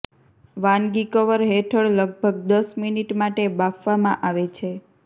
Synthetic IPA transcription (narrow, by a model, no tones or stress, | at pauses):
ʋanɡikəʋəɾɦeʈʰəɭləɡ̚bʱəɡ̚d̪əsminiʈmaʈebafʰʋamã̰ʔaʋet͡ʃʰe